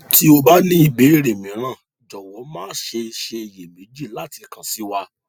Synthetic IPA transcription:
ti˦o˧ba˦nĩ˦i˦˨be˨˦ɾe˨mĩ˨˦ɾ̃ã˦˨ | d͡ʒɔ˨wɔ˨˦mãː˦˨ʃe˧ʃe˧˨je˨mẽ˨˦d͡ʒi˦˨la˦ti˧˨kã˨si˨˦wa˧

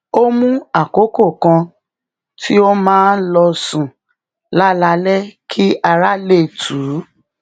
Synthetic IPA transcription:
o˦mũ˦a˨ko˨˦ko˦˨kã˧ | tʰi˦o˦mãː˦n̩˦lɔ˧sũ˨ | la˦la˧lɛ˦kʰi˦ʔa˧ɾa˦le˦˨tʰu˨˦

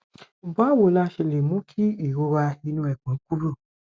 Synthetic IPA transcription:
m̩˨ba˨˦˨wo˨˦la˧ʃe˧le˨mũ˨˦kʰi˦i˦˨ɾo˧ɾa˧i˧nũ˧ɛ˨k͡pɛ̃˨˦ku˦ɾo˦˨

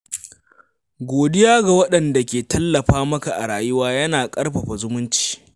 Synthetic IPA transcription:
ɡʷoː˨dɪ˦jaː˦ɡa˨wɐ˦ɗɐ˨nda˨kʲeː˨tɐ˦lːɐ˨ɸaː˦mɐ˦ka˨ʔa˨ɽaː˨jʊ˦waː˦jɐ˦naː˨kʼɐ˦ɽɸɐ˨ɸa˨zʊ˦mʊ˦nt͡ʃi̥ː˨

